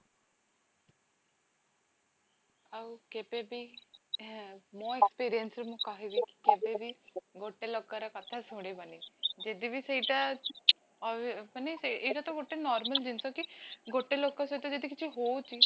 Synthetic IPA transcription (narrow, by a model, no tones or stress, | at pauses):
aukɪpeːbiː | mõːɛkspiːɾijənsɾmʊ̃kaːɦeːʋiːkkɪbeːbiːɡoːʈːeːloːkːaːɾakət̪ʰːaːsoɽeːbəniːd͡ʒeːd̪iːbiːsəiːʈ̪aː | pəneseːʈaːt̪õːɡoːʈːeːnɔːɾməld͡ʒɪnsoːkɪɡoːʈːeːloːkːãsoeːt̪õːd͡ʒeːd̪iːkɪt͡ʃʰiɦoːt͡ʃiː